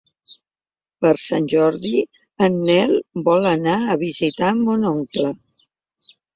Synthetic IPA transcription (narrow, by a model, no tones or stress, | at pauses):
pəɾsanʲʒɔɾði | ənːɛlˠbɔlənaəβizit̪amonɔŋklə